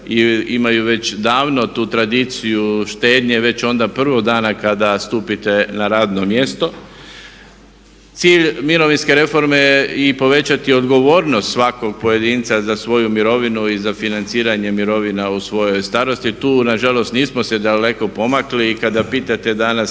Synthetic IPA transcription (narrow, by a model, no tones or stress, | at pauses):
iimajuʋe̞t͡ɕd̪aːʋno̞t̪uːt̪ɾad̪it̪sijuʃt̪e̞ːd̪ɲe̞ʋe̞t͡ɕo̞nd̪apr̩ʋo̞ɡd̪aːnakad̪ast̪uːpit̪e̞naɾaːd̪no̞mje̞st̪o̞ | t̪siːʎmiɾo̞ʋinske̞ɾe̞fo̞ɾmeipo̞ʋe̞t͡ɕat̪io̞d̪ɡo̞ʋo̞ːɾnost̪sʋako̞ɡ̚poje̞d̪iːnt̪sazasʋo̞jumiɾo̞ʋinuizafinant̪siːɾaɲe̞miɾo̞ʋinausʋo̞jo̞jst̪aːɾo̞st̪it̪uːnaʒalo̞st̪niːsmosed̪ale̞ko̞po̞makliːkad̪apiːt̪at̪e̞d̪anas